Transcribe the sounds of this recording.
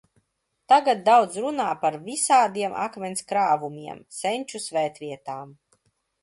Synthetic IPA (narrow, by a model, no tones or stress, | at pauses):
t̪aɡat̪̚d̪awd̪zɾunaːpaɾvisaːd̪iɛmʔa̰kmʲɛnʲskɾaːvumiɛmsenʲt͡ʃusvɛːt̪vʲiɛt̪aːm